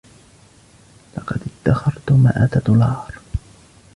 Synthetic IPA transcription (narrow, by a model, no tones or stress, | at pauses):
lɑqɑd̪ɪt̪ːaxɑɾˤt̪ʊma̰ʔat̪ad̪ʊlɑːɾˤ